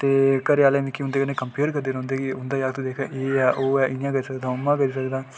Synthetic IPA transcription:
t̪eːkəɾaːleːmɪkːiɦʊnd̪eːkənẽːkəmpeːɾkəɾd̪eːɾõːnd̪eːkiʊnd̪aːjakt̪ud̪eːkʰɛ̰̃ːʔeːɛːʔoːɛːʔɪnjãːɡəisəkd̪aːʊmãːɡəisəkd̪aː

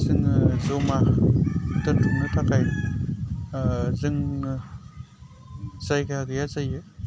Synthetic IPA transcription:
zɯŋzɔma | tɯntʰuŋnɯtʰakaj | zɯŋn | zajkʰaaɡɯjazajɯ

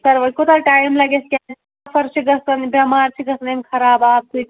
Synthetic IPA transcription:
sɐɾʋɐkot̪aʈaːjmlɐɡeskʲa | pʰɐɾt͡ʃʰiɡɐst̪ɐnbɐmaːɾt͡ʃʰiɡɐst̪ɐnemkʰɐɾaːbaːb̚t̪u

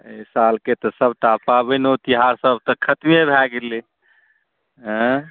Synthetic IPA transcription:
esalket̪ɔsəbʱʈ̪apabɛnot̪iɦaɾsəb̚t̪əkʰət̪mebʱɛɡele | ɦə̃

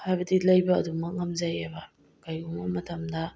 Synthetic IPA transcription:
hajbɐdilɐjbɐɐdumɐkŋɐmzɐjabɐ | kajuŋɐmɐtɐmdɐ

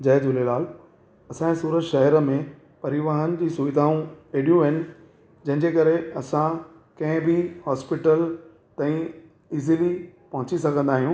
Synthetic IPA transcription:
d͡ʑɐːd̪ʊlelaːl | ɐsãẽsuːɾətʃɐɦəɾəmẽ | pɐɾɪʋaːɦənɪ̆d͡ʑiːsʊʋɪd̪ʱaːũkeːɽijũʋɐɪnɪ̆ | d͡ʑɐ̃ɦɪ̃ɲd͡ʑekɐɾeɐsã | kɐ̃ɦɪ̃bʱihɔːspɪʈəl | t̪ãĩ | ɪzilipɐ̃ɦʊ̃t͡ɕisɐɡʱə̃nd̪aːɦijũː

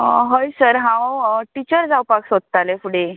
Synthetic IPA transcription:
ɦojsəɾɦãwʈit͡ɕəɾd͡zawpaksod̪̚t̪alefuɽe

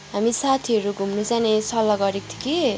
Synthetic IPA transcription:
ɦamisat̪ʰiʌɾuɡʱumnut͡sanesʌlːʌɡʌɾek̚t̪ʰi̥ki

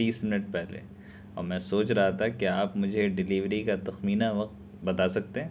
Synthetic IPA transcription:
iːsmɪnəʈ̚pɛɦlḛ | ɔ̰ːɾmɛ̃ːsoːt͡ʃɾɐɦat̪ʰakeaːpmʊd͡ʒʱeɖɪliːʋɾikat̪ɐxmiːnaʋɐq̚t̪ | bɐt̪aːsɐk̚t̪eɦɛ̃ː

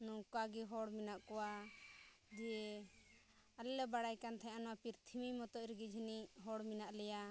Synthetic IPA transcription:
nukaɡiɦɔɽminaʔkɔwa | d͡ʒiɛ | alɛlɛbaɽajkant̪ʰɛ̃ɲʔanɔwapiɾt̪ʰimimɔt̪ɔʔɾɡid͡ʒʱiniɦɔɽminaʔlɛja

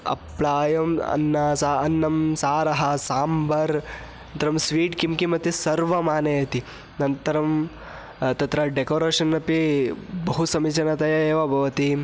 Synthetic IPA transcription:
ɐ̰pɭaːjɐmɐ̰nːɐsaɐnːɐmsaːɾɐɦɐsaːmbʱɐɾ | ɐnt̪ɐɾɐmsʋiːʈkimkimɐt̪ːisɐɾʋɐmaːnɐjɐt̪i | nɐnt̪ɐɾɐm | t̪ɐt̪ɾɐɖekoːɾeːʃɐnːɐpibɐɦusɐmit͡ʃɐnɐt̪ɐjɐeːʋɐbʱɐʋɐt̪i

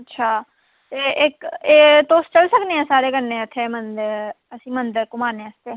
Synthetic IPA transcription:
ətːʃʰaː | t̪eːʔɪkeːt̪oːst͡ʃəlsəkneːãːsaːɾeːɡənːẽːət̪ʰːeːmənd̪əɾ | əsĩːmənd̪əɾkʊmaːnẽːəst̪ʰeː

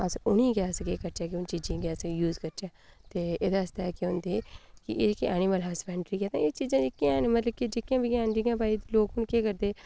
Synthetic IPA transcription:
əsʊniːɡɛskeːkəɾt͡ʃɛːkɪʊnt͡ʃiːd͡ʒĩːɡɛsjuːzkəɾt͡ʃɛːt̪eːed̪ast̪aɛːkɪʊnd̪eːkɪ̰ʔeːd͡ʒɪkːiʔɛːnɪməlɦaːsbɛ̃ːɳɖɾiːkɛːt̪ãːeːt͡ʃiːd͡ʒãːd͡ʒɪkːĩãnmət̪ləb̚kid͡ʒekːiãːbikãːɳɖiãːpaːiloːkʊnkeːkəɾd̪eː

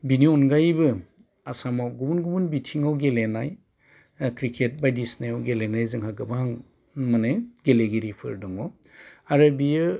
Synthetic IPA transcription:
biniɔnɡajbɯ | asamawɡubunɡubunbitʰiŋawɡelenaj | kɾikʰet̚bajdisnajawɡelenajzɯŋɦaɡɯbahaŋ | maneɡeleɡiɾipʰɯ̰ɾdɔŋɔ | aɾɯbijɯ

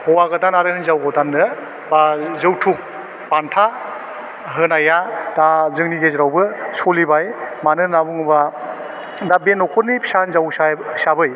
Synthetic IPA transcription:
hɔwaɡɯdanaɾɯhɯnzawɡɔdanɯ | bazɯwtʰuk | pantʰa | ɦɯnajad̥azɯŋniɡezɾawbɯsolibajmanɯnabuŋɯba | dabenɔkʰɔɾnipʰi̥sanzawasabɯj

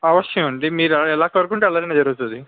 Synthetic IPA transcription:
ɐʋɐʂjɐmɐɳɖimiːɾɛɛlaːkɐɾukuɳʈeːɐlːɐɾɐneːd͡ʒɐɾuut̪ud̪i

